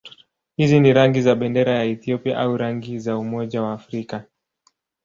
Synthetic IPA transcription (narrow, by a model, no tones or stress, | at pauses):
hiziniɾaŋɡizaɓɛndɛɾajaɛθiɔpia̰ʔauɾaŋɡizaumɔʄawaːfɾika